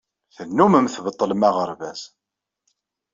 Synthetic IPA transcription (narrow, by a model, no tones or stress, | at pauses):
θənːuməmθbət̪ˤːələmæʁəɾˤvæz̥